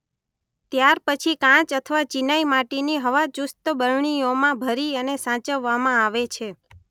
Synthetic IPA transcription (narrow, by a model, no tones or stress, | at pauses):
t̪jaɾpət͡ʃʰikãt͡ʃət̪ʰəʋat͡ʃinaimaʈiniɦəʋad͡ʒust̪əbəɾɳiomãbʱəɾiənesãt͡ʃəʋːamãaʋet͡ʃʰe